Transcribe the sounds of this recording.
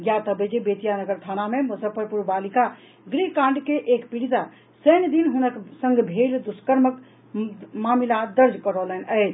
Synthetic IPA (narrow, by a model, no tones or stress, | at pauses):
ɡjat̪əbed͡ʒebet̪ijanəɡəɾt̪ʰanamemusəpəɾpuɾbalika | ɡɾikãɳɖkeʔekpiɽid̪a | səjnd̪inɦunəksə̃ŋɡbʱeld̪uskəɾmək | mamilad̪əɾd͡ʒkəɾələnət͡ʃ